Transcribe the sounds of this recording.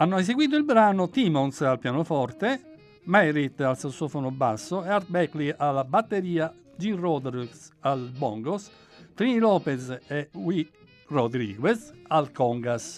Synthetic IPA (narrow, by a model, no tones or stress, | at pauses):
anːoɛseɡwiːt̪̬oilbɾaːnot̪imɔnsalpjaːnofɔɾt̪e | mɛɾit̪alsasɔːfonobasːoɛaɾbɛklialːabat̪ːeɾiːa | d͡ʒirɔd̪ɾisalbɔ̰ŋɡos | t̪ɾinilɔːpɛzɛwi | rod̪ɾḭːɡwɛsalkɔŋɡas